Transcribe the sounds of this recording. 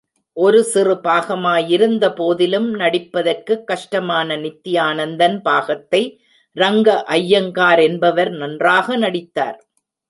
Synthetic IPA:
ʔɔɾɯsɪrɯbaːɣɐmaːjɪɾɯnd̪ɐpoːðɪlɯmnɐɽɪpːɐðɐrkɯkːɐʂʈɐmaːnɐnɪt̪ːɪjaːnɐnd̪ɐnpaːɣɐt̪ːɐɪ | ɾɐŋɡɐʔɐjːɐŋkaːɾɛnbɐʋɐɾnɐndraːɣɐnɐɽɪt̪ːa̰ːɾ

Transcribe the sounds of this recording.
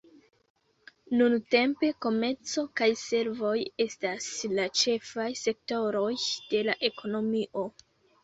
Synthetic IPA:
nunte̞mpe̞ko̞me̞ɾt͡so̞kajse̞ɾvo̞je̞staslat͡ʃe̞fajse̞k̚to̞ɾo̞jd̥e̞laʔe̞kʰo̞no̞miʔo̞

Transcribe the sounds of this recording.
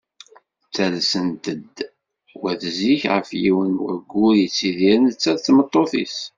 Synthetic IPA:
t͡sːælsənt̪əd̪ | wæðəziçʁə̰fjiwənwə̰ɾɡːʊɾjət͡sːiðiɾənət͡sːæðθmət̪ˤːoθḭs

